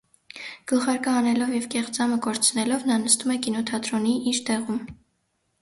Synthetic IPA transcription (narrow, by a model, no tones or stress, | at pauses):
ɡ̥əχɑɾkəɑnɛlɔvjɛvkɛχd͡zɑməkɔɾt͡sʰnɛlɔvnɑnəst̪umɛkinɔt̪ʰɑt̪ɾɔniʔiɾt̪ɛʁum